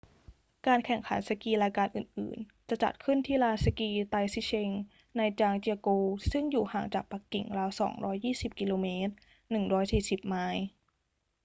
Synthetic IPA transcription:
kaː˧nkʰɛ˨˩ŋkʰa̰˩˦nsa˧kiː˧laː˧jkaː˧nʔɯ̰ː˨˩nʔɯ̰ː˨˩nt͡ɕa˨˩t͡ɕa̰˨˩t̪̚kʰɯ˥˩nt̪ʰiː˥˩laː˧sa˧kiː˧t̪a˧jsi˦˥t͡ɕʰe˧ŋ | na˧jt͡ɕaː˧ŋt͡ɕi˧a˧koː˧sɯ˥˩ŋjuː˨˩haː˨˩˦ŋt͡ɕaː˨˩k̚pa˨˩kːḭ˨˩ŋlaː˧wsɔ̰ː˩˦ŋɾɔː˦˥jːiː˥˩si˨˩p̚ki˧loː˧meː˦˥t̪̚ | nɯ˨˩ŋɾɔː˦˥jsiː˨˩si˨˩p̚maː˧˥j

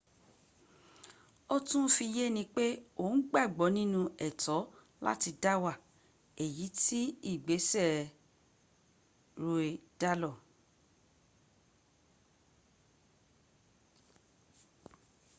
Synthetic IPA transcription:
o˦tũ˦fi˧je˦nĩ˧k͡pe˦o˦˨n̩˦ɡ͡ba˦˨ɡ͡bɔ˨˦nĩ˦nũ˧ɛ˦˨tɔ˨˦ | la̰˦ti˧da˦wa˦˨ | e˨ji˨˦ti˦i˦˨ɡ͡be˨˦sɛ˦˨ | ɾo˧e˧da˦lɔ˦˨

